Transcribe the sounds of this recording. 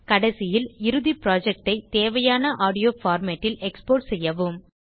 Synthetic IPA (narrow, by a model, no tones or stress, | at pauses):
kɐɽɐsɪjɪlɪɾɯðipɪɾaːd͡ʒɛk̚ʈɐɪt̪eːʋɐjaːnɐʔaːɽɪjoːfaːɾmeːʈːɪlɛkspoːʈsɛjːɐʋɯm